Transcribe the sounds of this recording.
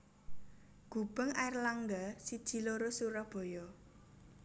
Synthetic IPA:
ɡ̥ṳb̥ə̤ŋaɪrlaŋɡasid̥ʒ̥i̤loɾosuɾɔb̥o̤jɔ

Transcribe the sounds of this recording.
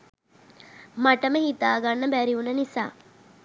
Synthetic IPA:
mɐʈɐmehit̪aːɡɐnːɐbæɾiunːɐnisa̰ː

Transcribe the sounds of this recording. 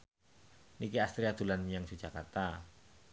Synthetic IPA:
nikiast̪ɾiad̪̥ulanjaŋsu̥d͡ʒ̥akart̪a

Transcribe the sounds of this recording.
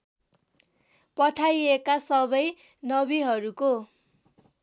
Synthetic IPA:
pʌʈʰajekasʌbʌj | nʌbiɦʌɾuko

